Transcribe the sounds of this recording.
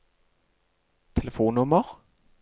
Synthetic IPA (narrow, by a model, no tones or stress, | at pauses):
t̪ʰɛləfuːnʊməʁ